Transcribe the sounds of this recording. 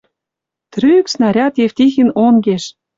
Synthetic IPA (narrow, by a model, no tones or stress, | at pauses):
t̪ɾyksnɑɾʲɑt̪jeft̪ixĭnoŋɡeʃ